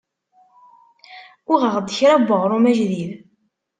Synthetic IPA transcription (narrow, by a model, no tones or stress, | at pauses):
ʊʁəʁd̪ːəçɾabːəʁɾˤumæʒðið